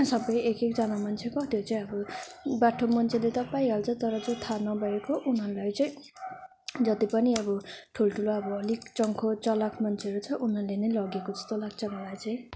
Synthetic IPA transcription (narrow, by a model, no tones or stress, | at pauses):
sʌbʌjekekd͡zʌnamʌnt͡sʰekʌɦt̪ʰjot͡saĩʌbʌbaʈʰomʌnt͡sʰelet̪ʌpaĩɦalt͡sʰʌt̪ʌɾʌd͡zot̪ʰanʌbʱʌjekoʔunɦʌɾulajt͡saĩ | d͡zʌt̪ipʌniʌbʌʈʰulʈʰuloʌbʌʌlikt͡sʌŋkʰot͡sʌlakmʌnt͡sʰeʌɾut͡sʰʌʔunɦʌɾulenʌjlʌɡekod͡zʌ̥st̪olak̚t͡sʰʌŋʌlajt͡saĩ